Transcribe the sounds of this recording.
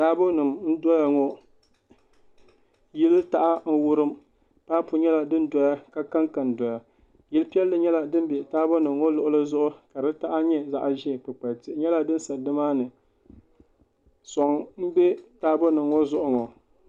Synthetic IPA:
taː˦bo˦nɨ˨mn̩˦dɔ˦ja˨ŋɔ˦ | ji˦lɨ˦ta˨ʔa˦n̩˦wʊ˦ɾɨ˦m | paː˦pʊ˨ɲɛ˦la˨dɨ˦n˦dɔ˦ja˦ka˦ka˦ŋka˨n˨dɔ˨ja˨ | jɪ˦lɨ˦pi˦ɛ˦lːɨ˨ɲɛ˦la˨dɨ˦m˦bɛ˨taː˦bo˦nɨ˨mŋɔ˦lʊ˨ʔʊ˦lɨ˦zʊ˦ʔʊ˦ka˨dɨ˦ta˦ʔa˦ɲɛ˦za˦ʔa˨ʒɪ˦˨pɨ˨k͡pa˨tɪ˨ʔɲɛ˦la˦dɨ˦n˦sa˨dɨ˦maː˦nɨ˨ | sɔ˨ŋm̩˦bɛ˦taː˦bo˦nɨ˨mŋɔ˦zʊ˦˨ʔʊ˦ŋɔ˨

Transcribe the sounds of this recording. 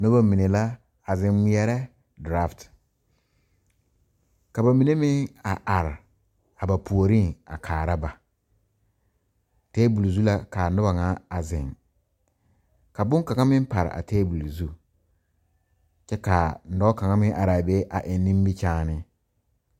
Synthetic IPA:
nʊ˦ba˦mi˨ne˨la˦ | a˨zɪ˨ŋwi˦ɛ˦ɾɛ˦ | da˦˨ft | ka˨ba˨mi˨ne˦mɪ˦ŋa˨ʔa˨ɾɪ˨ | a˨ba˨pʰu˨o˨ɾi˦ŋa̰˨kʰaː˨ɾa˦ba˨ | tɛː˦bu˨lu˨zu˦la˦ka˨nʊ˦ba˨ŋa˦a˨zɪ˨ŋ | ka˨bʊ˦ŋka˨ŋa˦mɪ̃˦m˦pa˨ɾɪ̰˨ʔa̰˨tɛː˦bu˨lu˨zu˦ | t͡ʃɛ˦ka˨n̩˨˦dɔ˦ka˨ŋa˦mɪ̃˦ŋʔa˨ɾa˨be˦ʔa̰˨ʔɪ˨˦nːĩ˦mbi˦t͡ʃaː˦nɪ˦

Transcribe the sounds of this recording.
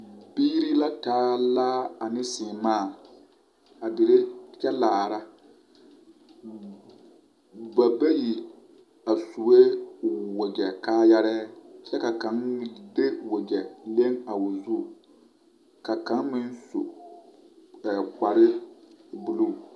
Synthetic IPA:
biː˦ɾi˦la˦taː˦laː˦a˨nɪ̃˦sɪ˨maː˦˨ | a˨dɪ˨ɾe˦t͡ʃɛ˦laː˨ɾa˦ | ba˨ba˦ji˨ | a˨su˨we˦wo˨d͡ʒɛ˨kaː˦ja˦ɾɛ˦t͡ʃɛ˦ka˨kã˨˦de˦wo˨ɡɛ˨le˦ŋa˨wʊ˨zu˦˨ | ka˨kã˨˦nmɪ˦n˦su˨ | ɛ˨ka˨ɾɪ˦bu˨lu˦˨

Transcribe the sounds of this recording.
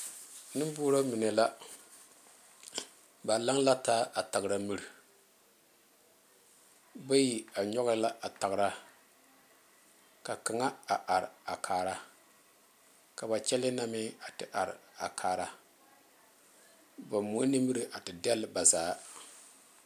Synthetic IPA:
nɨ˦boː˦ɾo˦mi˨ne˨la˦ | ba˨la˦ŋla˦taː˦ʔa˨ta˨ɣɾa˨mi˦˨ɾ | ba˦ji˨a˨ɲɔ˦ɣla˦ʔa˨ta˨ɣɾa˦ | ka˨ka˨ŋa˦a˨ʔa˨ɾa˨kʰaː˨ɾa˦ | ka˨ba˨t͡ʃɛ˦lɪ˦na˦mɪ˦a˨tɪ˨ʔa˨ɾɪ̰˨a̰˨kʰaː˨ɾa˦ | ba˨mu˨˦ni˦mɨ˦ɾi˨ʔa˨tɪ˨dɛ˦lːba˨zaː˨˦

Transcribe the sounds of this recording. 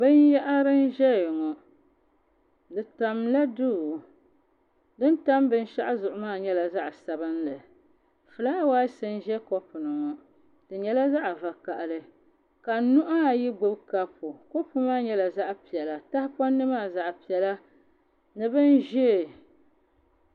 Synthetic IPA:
bɨ˦njɛ˦ʔa˦ɾɨ˦n˦ʒɛ˦jŋɔ˨ | dɨ˨ta˨mla˦du˦˨ | dɨ˦n˦ta˦mbɨ˦n˦ʃa˦ʔa˦zʊ˨ʔʊ˨maː˦˨ɲɛ˦la˨za˦ʔsa˨bɨ˦nlɨ˨ | fɨ˨la˦waː˦sɨ˦n˦ʒɛ˦kɔ˦pʊ˨nɨ˨ŋɔ˨ | dɨ˨ɲɛ˦la˦za˦ʔva˨ka˨ʔlɨ˦ | ka˨nʊ˦ʔa˦a˨ji˦ɡ͡bʊ˦bka˦pʊ˨kɔ˦pu˦maː˦ɲɛ˦la˨za˦ʔpi˨ɛ˨la˨ta˦hɪ˦pɔ˦nːɨ˦maː˦˨za˦ʔpi˨ɛ˨la˦ | nɨ˦bɨ˦n˦ʒɛ˦˨

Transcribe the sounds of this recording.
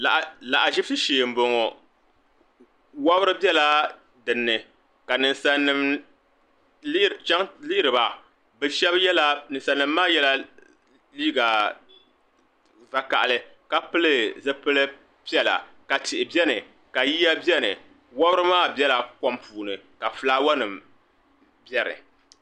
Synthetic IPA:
a˨ʔla˨ʔa˨ʒi˦bsɨ˦ʃeː˨m̩˨˦bo˨ŋɔ˨ | wa˦bɾɨ˦bɛ˦la˦ | dɨ˨nːɨ˨ | ka˨nɨ˨nsa˨˦nːɨ˦m˦ | t͡ʃa˦ŋliː˦ɾɨ˨ba˨ | bɨ˦ʃɛ˦bjɛ˦la˦nɨ˨sa˨nːɨ˨mː˦aː˦jɛ˦la˦ | liː˦ɡa˨ | va˨ka̰˨ʔa˨lɨ˦ | ka˦pɨ˦lɨ˦˨zɨ˦pɨ˦lɨ˦ | pi˦ɛ˦la̰˨ka˨tɪ˨ʔɪ˨bɛ˦nɨ˨ | ka˨ji˦ja˦bɛ˦nɨ̰˨ | wa˦bɨ˦ɾɨ˦maː˦˨bɛ˦la˨kɔ˦mpʰuː˨nɨ˨ka˨fɨ˨laː˦wa˦nɨ˨m | bɛ˦ɾɨ̰˨

